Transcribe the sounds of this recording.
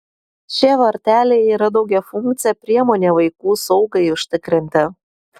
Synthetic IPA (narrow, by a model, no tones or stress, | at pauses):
ʃʲiɛʋɐɾʲt̪ʲæːlʲejiːɾɐd̪ɒʊɡʲɛfʊŋkt̪sʲɪjɛpʲɾʲiɛmoːnʲeːʋɐɪkuːsɒʊɡɐɪʊʃʲt̪ʲɪkɾʲɪnʲt̪ʲɪ